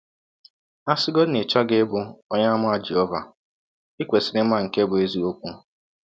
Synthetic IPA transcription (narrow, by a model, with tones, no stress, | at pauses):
a˦sɪ˦ɡɔ˦nɪ˨t͡ʃɔ˦ɡe˦bʊ˨ɔ˦ɲa˦mʊ˦a˦d͡ʒi˨ɔ˦va˨ | i˦kʷe˨sɪ˨˦ɾɪ˦m˦a˦˨ŋ̩˨ke˦bʊ˨e˦zi˨o˦kʷu˦